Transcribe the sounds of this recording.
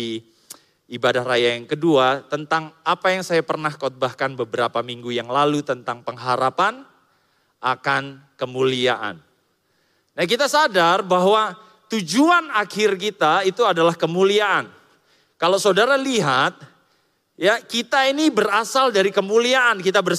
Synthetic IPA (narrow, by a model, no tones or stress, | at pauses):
i | ibadahrajajaŋkəduat̪ənt̪aŋapajaŋsajapərnahkɔt̪̚bahkanbəbəɾapamiŋɡujaŋlalut̪ənt̪aŋpəŋɦaɾapan | ʔakankəmulia̰ʔa̰n | nak̬it̪asadarbaɦwa | t̪ud͡ʒuanakɪrkit̪ait̪uadalahkəmuliaʔan | kalosodaɾaliɦat̪̚ | jakit̪ainibəɾasaldaɾikəmuliaʔankit̪abər